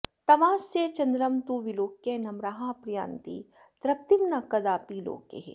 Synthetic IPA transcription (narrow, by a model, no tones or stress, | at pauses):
t̪ɐmaːset͡ʃɐnd̪ɾɐmt̪uʋiloːkjenɐmɾaːɦãːpɾja̰ːnt̪ḭ | t̪ɾɐp̚t̪imnɐkɐd̪aːpiːlo̰ːkḛɦ